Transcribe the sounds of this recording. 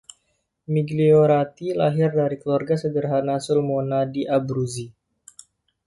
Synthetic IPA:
miɡlioɾat̪ilaɦɪrdaɾikəluarɡasədərɦanasulmonadiʔabɾuzi

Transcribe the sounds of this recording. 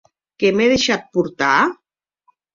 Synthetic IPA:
kemeðeʃat̪̚puɾt̪a

